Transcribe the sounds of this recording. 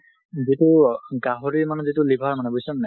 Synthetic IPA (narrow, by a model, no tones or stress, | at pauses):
zituɡaɦɔɹiɹmanɔzitulibʱaɹmanɛbojsɔnnɛ